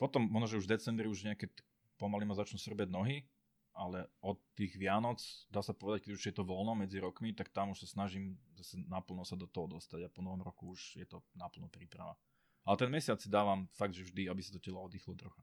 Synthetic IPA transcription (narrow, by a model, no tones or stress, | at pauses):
pɔt̪ɔmmːɔɦnɔʒɛuʒvd̪ɛt͡sɛmbɾiuʒɲɛakɛ | pɔmalimazat͡ʃnusr̩baɟnɔɦi | ʔalɛɔt̪ːiːɣʋɪanɔt͡sd̪aːsapɔʋɛd̪ac̚kɛɟuʒjɛt̪ɔʋɔlnɔmɛd͡ziɾɔkmit̪ak̚t̪amuʃsasnaʒimzasɛnapl̩nɔsad̪ɔt̪ɔɦɔd̪ɔst̪aɟapɔnɔɦɔmɾɔkuuʒjɛt̪ɔnapl̩nɔpɾiːpɾa̰ʋa̰ | alɛt̪ɛnmɛsɪat͡ssid̪aːʋamfaɡ̚d̪ʒɛvʒd̪iabisat̪ɔcɛlɔɔd̪ixlɔd̪rɔxa